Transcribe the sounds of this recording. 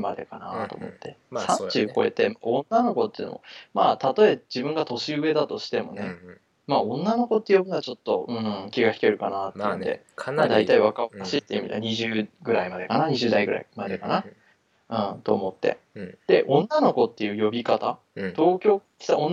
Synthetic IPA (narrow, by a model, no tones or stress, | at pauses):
ma̰d̪e̞̰kanat̪o̞̰ːmo̞̰t̪ːe̞sãt͡ɕɨːko̞e̞̰t̪e̞maõ̞nːano̞ko̞t̪ːeḭ̟no̰o̰maːt̪at̪o̞ed͡ʑibɯ̟̃ŋɡat̪o̞ɕiɯ̟e̞d̪at̪o̞ɕi̥t̪e̞mo̞̰ne̞ | maõ̞nːano̞ko̞t̪ːejobɯnat͡ɕot̪ːo̞ʔɯ̟̃ɴkʲiɡaçʲi̥keɾɯ̟kanat̪ːeɯ̟nd̪e̞̰ | ad̪ait̪aiβakakaɕit̪ːeɯmit̪a̰ɲ̟iʑɨːɡɯ̟ɾaimad̪e̞kanaɲ̟iʑɨːd̪aiɡɯ̟ɾa̰imad̪e̞kana | ɯ̟̃ɴt̪o̞ːmo̞t̪ːe̞̰ | d̪̥e̞ʔõ̞nːano̞ko̞t̪ːe̞jɯ̟ːjo̞bʲikat̪a | t̪o̞ːkʲo̞ːkʲi̥t̪aõnː